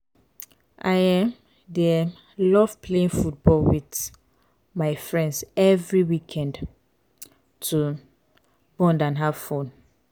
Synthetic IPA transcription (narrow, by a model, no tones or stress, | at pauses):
ʔajãm | dem | lɔvpʰleĩnfut̚bɔlwit | maɪfɹɛ̃ndsɛvɹiwikʰɛ̃nd | tʰu | bɔ̃ndãnɦav̥fõn